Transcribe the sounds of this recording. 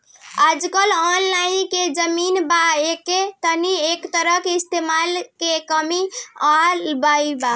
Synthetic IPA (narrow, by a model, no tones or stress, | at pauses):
ad͡ʒkəlɔnlainked͡ʒəminbaekːet̪əniekt̪əɾəkeist̪emalkekəmiabaiba